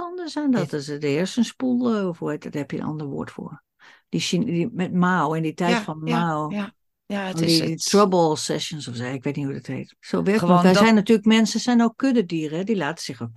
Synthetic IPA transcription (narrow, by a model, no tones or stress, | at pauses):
ɔndəsandɔtdəɪəɹstənspulˠɔfojtdɔthɛpjə̰nɔ̰ndəɹʋo̰ətfʊ̰ːɹ | d̥ismɛt̚maːwɪnditɛjtfɔnmaw | ɔdiditʰrɔbɔlˠsɛʃjənsɔfsɛɪkʋeːtnihudəthḛːtsoːʋɪɔ̃dsɛjnːatyːələkmɛnsəsɛjnokʰːødədiərəɛdilaːtə̥sɪxok